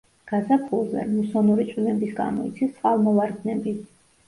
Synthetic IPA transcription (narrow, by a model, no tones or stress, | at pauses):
ɡ̥azapʰulˠzɛ̰musɔnuɾitt͡ʃ̪ʼwinɛbisɡa̰mɔ̰it̪sʰist̪ʼqʼalˠmɔvaɾɡnɛbi